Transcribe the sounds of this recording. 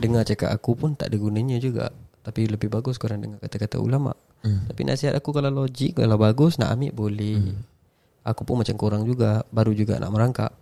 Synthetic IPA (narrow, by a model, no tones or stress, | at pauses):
dəŋart͡ʃaka̰ʔakupʊnt̪a̰ʔdiɡunəɲəd͡ʒuɡa̰ʔt̪apiləbɪhbaɡʊskoɾaŋdəŋarkat̪akat̪a̰ṵlama̰ʔ | t̪apḭnʔa̰ʔsiɦat̪̚akukalalod͡ʒɪk̚ka̰lawbaɡʊsna̰ʔamɪʔbolɛh | akupʊnmat͡ʃamkoɾaŋd͡ʒuɡabaɾud͡ʒuɡa̰nʔa̰ʔməɾaŋka̰ʔ